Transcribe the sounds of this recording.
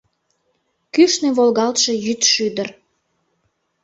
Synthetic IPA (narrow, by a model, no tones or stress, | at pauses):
kyʃneβolɣɑlt̪ʃe̽jyt̪ʃyd̪ər